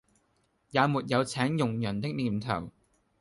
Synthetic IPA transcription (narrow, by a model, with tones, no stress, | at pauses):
jaː˨˧muː˨t̚jɐ˨˧wt͡sʰɛː˨˥ŋjʊ˨˩ŋjɐ˨˩nt̪ɪ˥k̚liː˨˩mt̪ʰɐ̰˨˩w